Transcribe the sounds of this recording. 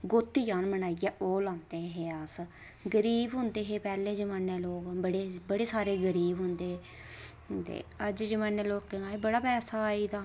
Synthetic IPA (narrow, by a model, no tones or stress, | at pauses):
ɡoːt̪ːiːd͡ʒaːnməɳaːijaːoːlãːnd̪eːɦeːas | ɡəɾiːbɦʊnd̪eːɦeːpɛːlẽːd͡ʒəməːneːloːkbəɽeːbəɽeːsaːɾeːɡəɾiːbɦʊnd̪eː | t̪ḛːəd͡ʒd͡ʒəmaːnːeːloːkaːebəɽaːpɛːsaːiːd̪aː